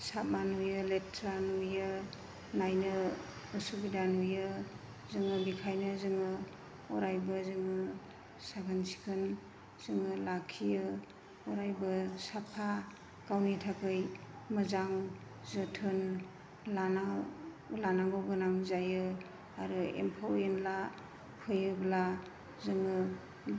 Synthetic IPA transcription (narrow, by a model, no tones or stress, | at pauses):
sap̚manujɯletʰɾanujɯ | najnɯ | ɯsubidanujɯ | zɯŋɯbikʰajnɯzɯŋɯ | ɔɾajbɯzɯŋɯ | sakʰɯnsi̥kʰɯn | z̥ɯŋɯlakʰijɯ | ɔɾajbɯsapʰa | kawnitʰakʰɯjmɯzaŋ | zɯtʰɯn | lana | lanaɡowɡɯnamzajɯ | aɾɯḛmpʰawenla | pʰɯjɯbla | zɯŋɯ